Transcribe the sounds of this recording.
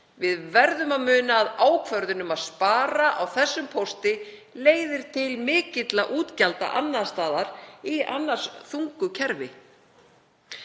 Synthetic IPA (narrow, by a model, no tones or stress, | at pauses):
vɪðvɛɾðʏmaðmʏːnaːðaːwkʰvœɾðʏnʏmaðspaːɾaʔawθɛsːʏmpʰost̪ɪleːjðɪɾ̥t̪ʰɪlmɪːcɪt̪laʔuːt̪calt̪a̰ʔanːast̪aːðaɾia̰nːar̥sθuŋkʏcʰɛɾvɪ